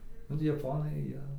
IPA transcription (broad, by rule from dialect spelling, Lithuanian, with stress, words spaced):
ˈnʊ tɐɪ jɛˈpoːnɐɪ ˈjiɛ